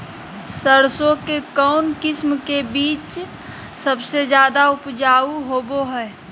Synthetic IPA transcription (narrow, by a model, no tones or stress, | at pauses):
səɾsõkekɔːnkɪsmkebiːt͡ʃ | səbsed͡ʒjaːd̪aʊpd͡ʒaːuɦoːboɦɛː